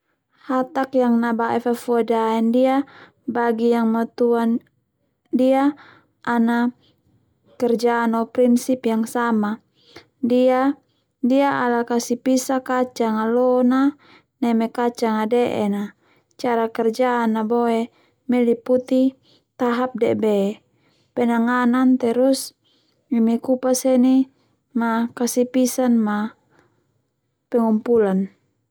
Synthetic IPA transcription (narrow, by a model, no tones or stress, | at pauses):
hat̪akjaŋnabaʔɛfafuadaɛndia | baɡijaŋmɔt̪uan | dia | ʔːna | kɛrd͡ʒaːnɔpɾinsipjaŋsama | dia | diaalakasipisakat͡ʃaŋalɔna | nɛmɛkat͡ʃaŋadɛʔɛ̰na | t͡ʃaɾakɛrd͡ʒaːnːaboe | mɛliput̪i | t̪aɦap̚dɛʔbɛ | pɛnaŋanant̪ɛɾus | imɛkupasɛni | makasipisanma | pɛŋumpulan